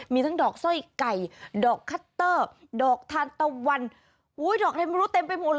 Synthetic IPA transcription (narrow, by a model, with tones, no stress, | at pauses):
miː˧t̪ʰa˦˥ŋdɔː˨˩k̚sɔ˥˩jka˨˩jdɔː˨˩kʰːa˦˥t̪ːɤː˥˩ | dɔː˨˩k̚t̪ʰaː˧nt̪a˧wa˧n | huː˦˥jdɔː˨˩k̚t̪ʰa˧m˧ɾu˦˥t̪e˧mpa˧jmuː˧l